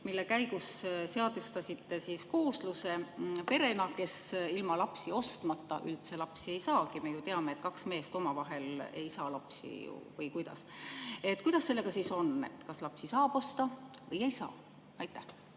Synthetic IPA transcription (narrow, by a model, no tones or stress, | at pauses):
milːe̞kæjɡ̥usse̞ɑd̪̥ust̪ɑsʲit̪ːe̞siːsko̞ːsluse̞pe̞ɾe̞nɑke̞silmɑlɑpsio̞st̪mɑt̪ːɑ̰ʔylt̪se̞lɑpsie̞jsɑːkime̞jut̪e̞ɑme̞eːt̪kɑksme̞ːst̪o̞mɑvɑɦe̞le̞̰jsɑːlɑpsḭṵvɤjkujd̪̥ɑ̰se̞t̪ːkujd̪̥ɑsːe̞lːe̞ɡ̥ɑsiːso̞ne̞̰t̪kɑslɑpsisɑːb̥o̞st̪ɑvɤje̞jsɑ̰ː | ɑjt̪ːˑæh